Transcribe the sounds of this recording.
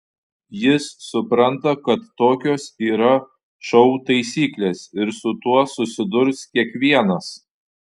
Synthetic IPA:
jɪsːʊpɾɐnt̪ɐkɐt̪ːoːkʲoːsiːɾɐ | ʃɐʊt̪ɐɪsʲiːklʲeːsɪɾsʊt̪uɔsʊsʲɪd̪ʊɾskʲiɛkʋʲiɛnɐs

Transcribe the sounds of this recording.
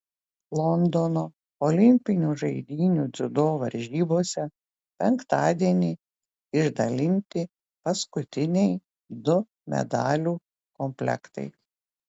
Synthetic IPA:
lˠɔnd̪ɔnoː | ɔlʲɪmʲpʲɪnʲuʒɐɪd̪ʲiːnʲuːd̪zʲʊd̪oːʋɐɾʲʒʲiːboːsʲɛ | pʲɛŋkt̪ɑːd̪ʲiɛnʲiː | ɪʒd̪ɐlʲɪnʲt̪ʲɪ | pɐskʊt̪ʲɪnʲɛɪ | d̪ʊ | mʲɛ̰d̪ɑːlʲuː | kɔmʲpʲlʲɛ̰kt̪ɐ̰ɪ

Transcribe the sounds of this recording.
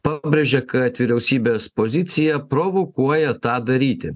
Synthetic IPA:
pɑbʲɾʲeʒʲɛkɐt̪ʲʋʲiːɾʲɛʊsʲiːbʲeːspozʲɪt̪sʲɪjɛpɾoʋɔkuɔjɛt̪ɑːd̪ɐɾʲiːt̪ʲɪ

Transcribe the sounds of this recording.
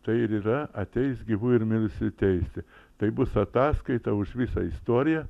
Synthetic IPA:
t̪ɐɪɪɾiːɾɐɐt̪ʲɛɪsɡʲiʋuɪɾmʲɪɾʊsʲɪt̪ʲɛɪsʲt̪ʲɪt̪ɐɪbʊsɐt̪ɑːskɐɪt̪ɐʊʃʋʲisɐ̰ɪst̪oːɾʲɪjɛ

